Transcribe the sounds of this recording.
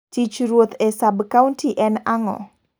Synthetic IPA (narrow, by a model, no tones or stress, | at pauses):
d̪̥i̥d͡ʒuɾʊt̪esabəkawnt̪iʔɛnaŋɔ̰